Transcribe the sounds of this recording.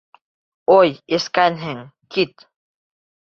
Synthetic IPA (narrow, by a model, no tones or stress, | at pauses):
ojiskanɦeŋkit̪